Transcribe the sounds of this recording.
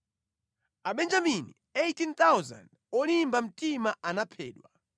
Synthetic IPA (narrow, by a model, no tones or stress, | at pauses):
aɓɛnd͡ʒaminḭ | ejtint̪awza̰nd | ɔlimbam̩timaanapʰɛ̰ːɗwa